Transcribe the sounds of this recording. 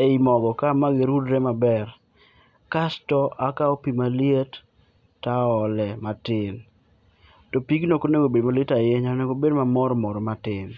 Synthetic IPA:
eimɔɡɔkamaɡɪɾudɾɛmabɛr | kastɔʔakaopimalijetː | aɔlɛmatɪn | tɔpiɡnokoneɡobedmaletajeɲanɛɡobedmamɔɾmɔɾmatɪn

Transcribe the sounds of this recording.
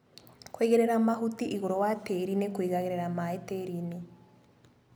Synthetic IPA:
kweːɣeɾeɾamaɦutiʔiɣoɾowateɾinekwiɣaɣeɾeɾamaeteɾini

